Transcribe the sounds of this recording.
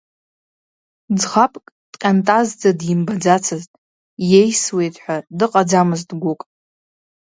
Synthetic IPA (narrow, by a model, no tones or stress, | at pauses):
d͡zχapʼkʼ | d̥qʲʼantʼazd͡zadjɪmbad͡zat͡sʰɨztʼ | je̞jswe̞jtʼħʷᶣadɨqʼad͡zamɨztɡʷʊkʼ